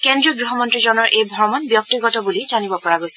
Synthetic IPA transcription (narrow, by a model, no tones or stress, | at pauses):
kendɹiɔɡɹiɦɔmɔntɹizɔnɔɹʔejbʱɔɹmɔnbjɔk̚tiɡɔtɔbulizanibɔpɔɹaɡojsɛ̥